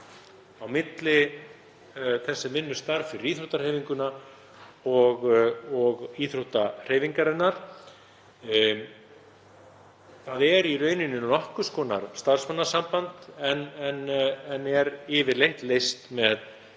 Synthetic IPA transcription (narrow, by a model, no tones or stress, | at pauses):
awmɪt̪lɪ | θɛsːɛvɪnːʏst̪aɾfɪɾɪɾiθɾuwt̪aɾr̥eːjviŋkʏna | ɔɣɔɣiθɾuwt̪ar̥eːjviŋkaɾɪnːaɾ̥ | θaðɛɾirœːɥnɪnːɪlɔhkʏskɔːna̰ɾ̥st̪ar̥smanːasampant̪ɛnɛnɛnɛɾɪːvɪɾlejht̪lejst̪mɛð